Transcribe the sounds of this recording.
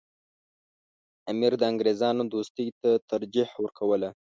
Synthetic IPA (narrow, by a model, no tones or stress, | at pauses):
amiɾd̪əaŋɡɾezɑnod̪ost̪əjt̪at̪aɾd͡ʒihwəɾkʰawəla